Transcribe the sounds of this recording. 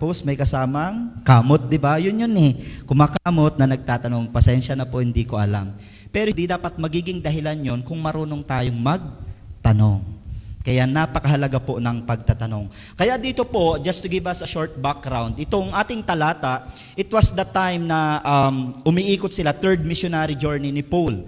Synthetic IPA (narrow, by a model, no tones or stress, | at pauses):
posmɐjkɐsaːmɐŋkaːmot̪̚d̪ɪbajʊnjonɛkʊmaːkaːmo̞t̪̚nɐnɐɡ̚t̪aːt̪ɐno̞ŋpɐsɛnʃɐnɐpohɪnd̪iːko̞ʔɐla̰m | pɛɾod̪id̪aːpɐt̪̚mɐɡiːɡɪŋd̪ɐɦɪlanjo̞nkʊŋmɐɾoːno̞ŋt̪aːjoŋmɐɡ̚t̪ɐnoŋkɐjanaːpɐkɐɦɐlɐɡaponɐŋpɐɡ̚t̪at̪ɐno̞ŋ | kɐjaʔd̪iːt̪opo̞d͡ʒɐst̪ʊɡɪvɐsɐʃoɹt̪̚bak̚ɡɾawnd̪ɪt̪oŋʔaːt̪ɪŋt̪ɐlaːt̪ɐʔ | ʔɪt̪wɐsd̪ɐt̪ajmnɐʔɐmʔʊmiʔiːkot̪sɪlat̪ɛɹd̪̚mɪʃonaɾid͡ʒoɹninɪpul